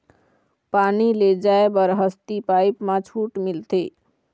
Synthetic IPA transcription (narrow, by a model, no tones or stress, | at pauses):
paniled͡ʒaebəɾɦəst̪ipajpmãt͡ʃʰuʈmilt̪e